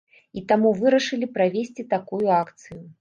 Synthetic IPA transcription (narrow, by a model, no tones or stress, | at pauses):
it̪amuvɨɾɐʂɨlʲipɾavʲesʲt͡sʲit̪akujuakt̪sɨju